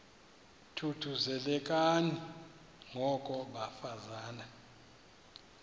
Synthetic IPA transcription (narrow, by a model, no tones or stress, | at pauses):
tʰutʰuzɛlɛkʼani | ŋɔkʼɔɓafazaːna